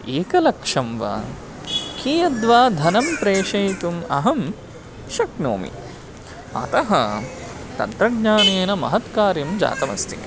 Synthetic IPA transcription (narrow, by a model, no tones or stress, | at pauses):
eːkɐlɐkʂɐmʋɐ̰ | kʰiːjɐd̪ʋaːd̪ʱɐnɐmpɾeːʃɐjt̪umɐ̰ɦɐm | ʃɐkno̰ːmḭ | ɐ̰t̪ɐɦɐ | t̪ɐ̰nt̪ɾɐɡɲaːneːnɐmɐ̰ɦɐt̪kaːɾjɐmd͡ʒa̰ːt̪ɐmɐ̰st̪ʰḭ